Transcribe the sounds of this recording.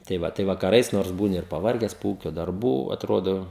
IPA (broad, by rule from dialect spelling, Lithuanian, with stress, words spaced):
tɐɪ ˈʋɐ tɐɪ ʋɐkɐˈrɐɪs noːrs ˈbuːnʲɪ ɪr pɐˈʋɐrʲɡʲɛs poː ˈuːkʲoː dɐrˈbuː ɐtˈroːdoː